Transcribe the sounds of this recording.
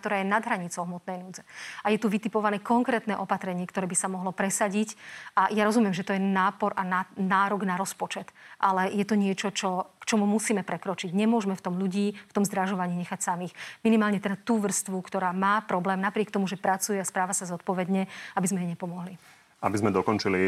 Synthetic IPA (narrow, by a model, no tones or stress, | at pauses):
t̪ɔɾaːjɛnad̪ɦɾaɲit͡sɔʊɦmɔt̪nɛjnuːd͡zɛajɛt̪uʋit̪ipɔʋanɛːkɔŋkɾɛːt̪nɛʔɔpat̪ɾɛɲɪɛkt̪ɔɾɛːbisamɔɦlɔpɾɛsaɟicʔajaɾɔzumɪɛmʒɛt̪ɔjɛnaːpɔɾʔananaːɾɔɡnaɾɔspɔt͡ʃɛt̪ʔalɛjɛt̪ɔɲɪɛt͡ʃɔt͡ʃɔkt͡ʃɔmumusiːmɛpɾɛkɾɔt͡ʃiɟɲɛmʊɔʒmɛft̪ɔmʎuɟiːft̪ɔmzd̪ɾaʒɔʋaɲiːɲɛxacsamiːxminimaːlɲɛt̪ɛd̪at̪uːʋr̩st̪ʋukt̪ɔɾaːmaːpɾɔblɛːmnapɾɪɛkt̪ɔmuʒɛpɾat͡sujɛaspɾaːʋasazɔt̪̚pɔʋɛd̪ɲɛabizmɛjɛɲɛpɔmɔɦli | a̰bizmɛd̪ɔkɔnt͡ʃiliɛ